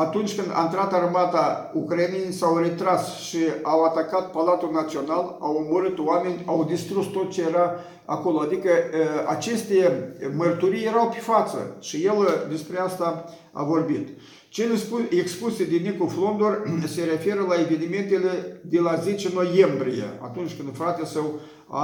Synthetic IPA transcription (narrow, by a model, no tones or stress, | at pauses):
at̪unt͡ʃʲkɨnd̪a̰ɨnt̪ɾat̪armat̪aukɾanejsawre̞t̪ɾasʃiawat̪akat̪̚palat̪ulnat̪sio̞nalawomoɾɨt̪oame̞nʲawd̪ist̪ɾust̪o̞t̪̚t͡ʃe̞jeɾa | a̰ko̞lo̞ad̪ikəa̰t͡ʃe̞st̪e̞mərt̪uɾijje̞ɾawpefat̪sə̰ʃije̞ld̪e̞spɾeast̪a | a̰vo̞rbit̪ | t͡ʃelesekspused̪inikuflo̞nd̪orse̞ɾe̞fe̞ɾəlae̞ve̞nime̞nt̪e̞le̞d̪e̞laze̞t͡ʃeno̞je̞mbɾijḛa̰t̪unt͡ʃʲkɨnd̪fɾat̪esəw | a̰